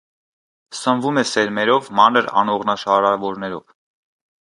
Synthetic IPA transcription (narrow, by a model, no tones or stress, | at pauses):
səɱvumɛsɛɾmɛɾɔvmɑnəɾɑ̰nɔʁnɑʃɑɾɑvɔɾnɛɾɔv